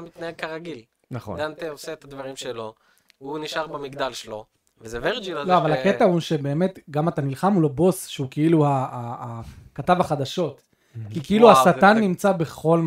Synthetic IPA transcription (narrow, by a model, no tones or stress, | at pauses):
mit̪naeɡ̚kaʁaɡil | naχo̰nd̪ant̪eoseːt̪ad̪vaʁimʃelo̞ | uniʃaʁbemiɡd̪alʃelo̞ | vezeveʁd͡ʒilloavalaket̪ahuʃe̞be̞ːme̞t̪ɡamat̪anilχamulobo̞sʃeukeiluaːkatavaχad̪aʃo̞t | kikeiluasat̪anːimt͡sabe̞χo̞lm